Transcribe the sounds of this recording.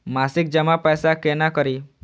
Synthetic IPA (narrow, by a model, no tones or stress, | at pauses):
masik̚d͡ʒəmapɛjsakenakɔɾi